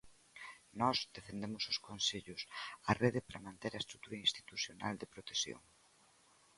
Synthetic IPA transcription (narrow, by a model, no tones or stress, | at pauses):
nɔzd̪efend̪emʊsʊskonseʎʊsɐreðɪpɾɐmãnt̪eɾɐest̪ɾut̪uɾɐinst̪i̥t̪uθjona̰ld̪ɪpɾot̪esjo̰ŋ